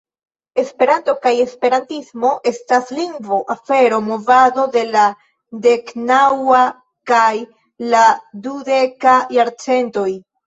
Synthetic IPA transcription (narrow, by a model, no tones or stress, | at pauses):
e̞spe̞ɾanto̞kaje̞spe̞ɾantismo̞ʔe̞stasliŋɡvoʔafe̞ɾo̞mo̞vado̞de̞la | de̞knawa | kaj | ladude̞kajaɾt͡se̞nto̞j